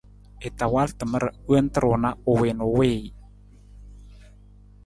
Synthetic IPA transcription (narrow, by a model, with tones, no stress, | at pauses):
e˨t̪a˨wa˦ltə˨mə˦ɾə˨˦ə˦nt̪ə˦ɾo˨na˦o˨we˨no˨weː˦i˨